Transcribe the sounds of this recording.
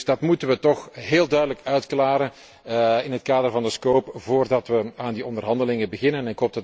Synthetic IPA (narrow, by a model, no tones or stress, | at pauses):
dɑtmutənʋətɔxɦeːlˠdœɥdələkœɥtklaːɾən | ɪnɦətkaːdərvɑndəskoːpvoːrdɑtʋəaːndiɔndərɦɑndəlɪŋəbəɣɪnənɛnɪkɦoːpdɑt